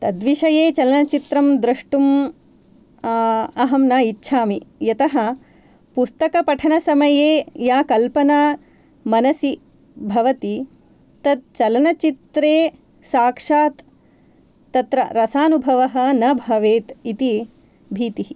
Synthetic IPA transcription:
t̪ɐd̪ʋiʂɐjeːt͡ʃɐlɐnɐt͡ʃit̪ɾɐmd̪ɾɐʂʈum | ɐɦɐmnaːitːʃʰaːmijɐt̪ɐɦɐ̆ | pust̪ɐkɐpɐʈʰɐnɐsɐmɐjeːjaːkɐlpɐnaː | mɐnɐsi | bʱɐʋɐt̪i | t̪ɐd̪̚t͡ʃɐlɐnɐt͡ʃit̪ɾeː | saːkʂaːt̪ː | ɐt̪ɾɐɾɐsaːnubʱɐʋɐɦɐ̆nɐbʱɐʋeːt̪it̪i | bʱiːt̪iɦi

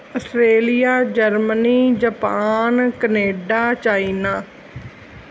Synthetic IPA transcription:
əsɾeːlijaːd͡ʒəɾməniːd͡ʒəpaːnkəneːɖaːt͡ʃaːinaː

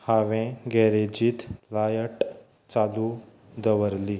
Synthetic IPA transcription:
haʋẽɡɛɾed͡ʑiːt̪lajəʈ | t͡salu | d̪əʋəɾli

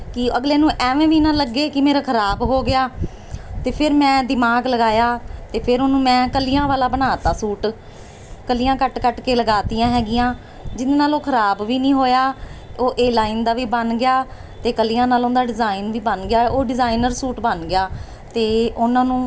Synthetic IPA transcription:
kɪəɡleːnũːʔɛːʋẽːʋiːnãːləɡːeːkɪmeːɾaːkʰəɾaːbɦoːɡɪjaː | t̪eːpʰɪɾmɛ̃ːd̪ɪmaːɡləɡaːjaːt̪eːpʰɪɾonũːmɛ̃ːkəlijãːʋaːlaːbənaːt̪aːsuːʈ | kəlijãːkəʈkəʈkeːləɡaːt̪iːjãːɦɛːɡɪjãː | d͡ʒɪneːnaːloːkʰəɾaːbʋiːnĩːɦoːjaːoːʔeːlaːɪnd̪aːʋiːbənɡɪjaː | t̪eːkəliːãːnaːlõːnd̪aːɖɪzaːɪnʋiːbənɡɪjaːoːɖɪzaːɪnəɾsuːʈbənɡɪjaː | t̪eːʊnãːnũː

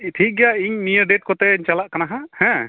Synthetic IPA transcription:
ʈʰik̚ɡɛjaiɲnijəɖɛʈ̚kɔt̪ɛɲt͡ʃalaʔkanaɦahɛ̃

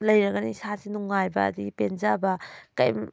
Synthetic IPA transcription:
lɐjɾɐɡanisasinuŋːajbɐ̰ːd̪iɡipenzabɐka̰jm

